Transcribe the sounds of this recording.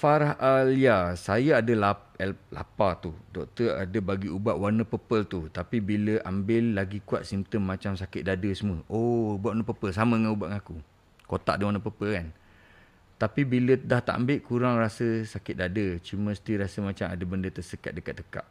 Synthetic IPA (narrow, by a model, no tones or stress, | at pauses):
faɾaɦʔaljasajaadəla | ɛlla̰pat̪udɔk̚t̪əa̰dəbaɡiubaʔwarnəpəpəlt̪ut̪apibiləʔambɪlːaɡikua̰t̪̚simp̚t̪əmːat͡ʃamsakɪt̪̚dadəsəməʔoubaʔ̪wanəpəpəlsaməŋanubaʔŋaku | kot̪a̰ʔadəwarnəpəpəlkan | t̪apibilədaht̪a̰ʔa̰mbɪlkuɾaŋrasəsakɪt̪̚dadət͡ʃumə̃st̪iɾasəmat͡ʃama̰dəbəndət̪əsəka̰t̪̚dəkat̪̚dəka̰ʔ̚